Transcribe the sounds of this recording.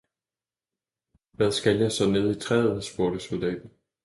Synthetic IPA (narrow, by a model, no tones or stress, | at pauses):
ʋæðˠsɡ̥æljɑ̈ɪsɒ̽ne̝ð̞ˠit͡sʰʁɛːð̩ˠsb̥o̝ɐɾ̥əsold̥ɛ̰ːd̥n̩